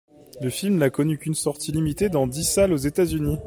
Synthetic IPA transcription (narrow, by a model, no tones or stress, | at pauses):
ləfilmnakɔnykʲynsɔʁt̪ilimit̪ed̪ɑ̃d̪isalozet̪azyni